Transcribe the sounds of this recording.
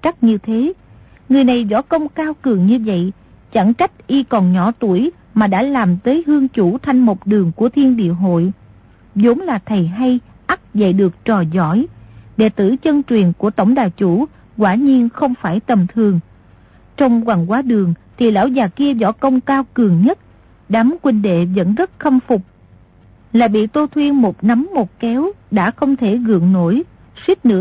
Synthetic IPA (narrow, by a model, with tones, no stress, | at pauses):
t͡ɕa˦˥k̚ɲɨ˧t̪ʰe˨˦ | ŋɨ˨˩əjna˨˩jzɔ̰˧˥kə˧wŋ͡mkaː˧wkɨ˨˩əŋɲɨ˧və̰˧˨j | t͡ɕa˧˩ŋt͡ɕa˦˥jt̚ʔi˧kɔ˨˩nɲɔ˧˩˦t̪u˧˩əj | maː˨˩ɗa̰ː˧˥laː˨˩mt̪əː˨˦jɦɨ˧əŋt͡ɕu˧˩t̪ʰa˧jŋ̟mo˨˩t̚ɗɨ˨˩əŋku˧˩ət̪ʰi˧ənɗḭ˧˨əɦo̰˧˨j | zo˨˦ŋ͡mlaː˨˩t̪ʰə˨˩jɦa˧j | ʔa˦˥t̚zə̰˧˨jɗɨ˨˩ək̚t͡ɕɔ˨˩zɔ̰˧˥˨jɗe˧˩t̪ɨ̰˧˥t͡ɕə˧nt͡ɕwi˨˩ənku˧˩ət̪ə˧˩wŋ͡mɗaː˨˩t͡ɕu˧˩ | kwaː˧˩ɲi˧ənxə˧wŋ͡mfaː˧˩jt̪ə˨˩mt̪ʰɨ˨˩əŋ | t͡ɕɔ˧wŋ͡mkwa˨˩ŋkwaː˨˦ɗɨ˨˩əŋt̪ʰi˨˩la̰ː˧˥wzaː˨˩ki˧əzɔ̰˧˩kə˧wŋ͡mkaː˧wkɨ˨˩əŋɲə˦˥t̚ | ɗa˨˦mkwï˧ŋɗḛ˧˨zə̰˧˥nzə˦˥t̚xə˧mfʊ˨˩k͡p̚ | laː˨˩ɓḭ˧˨t̪o˧t̪ʰwi˧ənmo˨˩t̚na˨˦mːo˨˩t̚kɛ˨˦wɗa̰ː˧˥xə˧wŋ͡mt̪ʰe˧˩ɣɨ̰˧˨əŋno˧˥j | swi˦˥t̚nɨ̰˧˥ə